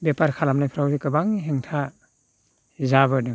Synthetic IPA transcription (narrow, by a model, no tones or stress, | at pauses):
bepaɾkʰalamnajpʰɾawzɯkɯbaŋiɦeŋtʰa | zabɯnɯ